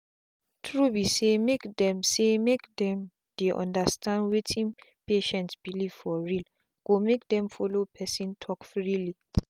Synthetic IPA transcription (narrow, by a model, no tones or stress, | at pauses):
tʰɹubisemekdɛ̃msemekdɛ̃m | d̥eʔɔ̰̃ndastʰãndwetʰĩnpeʃɛ̃ntsb̥iliv̥fɔɹil | ɡ̥omek̚dɛ̃mfɔlopʰɛsĩntʰɔkfɹili